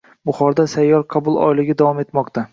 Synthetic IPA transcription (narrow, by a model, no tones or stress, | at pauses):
bʊχɒɾd̪asajːɒɾqʰɑbʊlˠɒ̰jlɪɡʲad̪avɒme̞t̪mɒqt̪ʰa